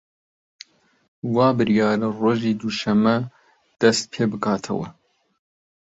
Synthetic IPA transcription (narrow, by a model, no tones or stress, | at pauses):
wɑːbɨɾjɑːɾɐroːʒiːd̪uʃɐmːɐ | d̪̥ɐst̪̚pʰeːbɨkʰɑːt̪ʰɐ̰wɐ̰